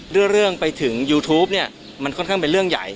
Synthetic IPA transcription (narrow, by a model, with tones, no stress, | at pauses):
ɾɯ˥˩əɾɯ˥˩əŋpa˧jt̪ʰɯ˩˦ŋjuː˧t̪ʰuː˦˥p̚ni˥˩ɐ | ma˧nkʰɔ˥˩nkʰaː˥˩pe˧nɾɯ˥˩əŋja̰˨˩j